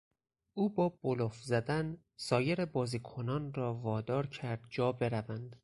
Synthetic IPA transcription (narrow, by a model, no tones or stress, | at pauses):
ʔuːbɒːb̥olofzæd̪æn | sɒːje̞ɾebɒːziːkʰo̞nɒːnrɒːvɒːd̪ɒːɾcʰæɾd̪̥̚d͡ʒɒːbe̞ɾævænd̪